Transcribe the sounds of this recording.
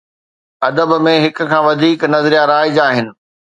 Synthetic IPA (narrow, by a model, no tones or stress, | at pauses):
ɐd̪əbmẽɦɪkʊ̆kʰãːʋɐd̪ʱiːknɐzɾijaɾaːɪd͡ʑaːɦɪnɪ̆